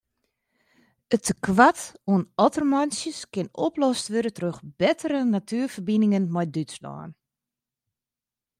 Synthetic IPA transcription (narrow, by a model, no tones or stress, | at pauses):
ətəkʋatuənɔtərmansjəskɪnɔplɔstʋøɾətrøxb̥ɛtʰəɾənatʰyːərfərbinɪŋənmɔjdytslɔ̰ːn